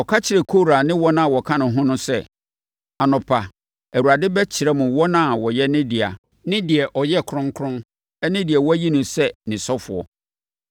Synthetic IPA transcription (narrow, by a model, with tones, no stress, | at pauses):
ɔ˨kʰa˦t͡ɕʰɪ˨ɾɛ˨kʰo˦˨ɾa˨nɪ̃˦wɔ˦nã˦˨wɔ˨kʰã˦nʊ̃˨ɦʊ̃˦nʊ̃˦sɛ˦ | a˨nʊ̃˨pʰa˨ | æ˨wu˨ɾa˨dɪ˦bɛ˦t͡ɕʰɪ˨ɾɛ˦mʊ̃˨wɔ˦nã˦˨wɔ˨jɛ˦nɪ̃˦dɪ˨a̰˨ | nɪ̃˦dɪ˨ɛ˨ʔɔ˨jɛ˦˨kʰɾʊ̃˦ŋkʰɾʊ̃˦ | ɛ˦nɪ̃˦di˨ɛ˨wɔ˦ji˦nʊ̃˨sɛ˦nɪ̃˨sɔ˦fʊ̰˨ɔ̰˨